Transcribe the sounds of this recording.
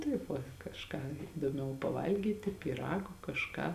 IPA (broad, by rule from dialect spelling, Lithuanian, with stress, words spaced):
ˈtɐɪp ʋɐ kɐʃˈkɑː ɪdoːˈmʲɛʊ pɐˈʋɐlʲɡʲiːtʲɪ pʲiːˈrɑːɡoː kɐʃˈkɑː